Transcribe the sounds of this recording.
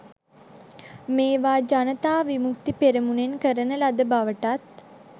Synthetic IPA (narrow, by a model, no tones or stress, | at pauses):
meːʋaːd͡ʒanət̪aːʋimuk̚t̪ipeɾəmunenkəɾənəlad̪əbaʋəʈat̪̚